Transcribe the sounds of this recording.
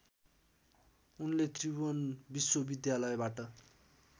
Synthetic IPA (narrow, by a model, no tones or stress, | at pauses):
unlet̪ribonbiswobid̪jalʌjbaʈʌ